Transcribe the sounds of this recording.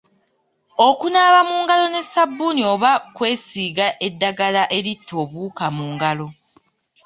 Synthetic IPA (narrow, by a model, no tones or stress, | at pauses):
o̞kunaːβamuːŋɡalo̞ne̞sabːunio̞ːβakwe̞ːsiːɡaʔe̞dːaɡalaʔeɾitːo̞ːβuːkamuːŋɡalo̞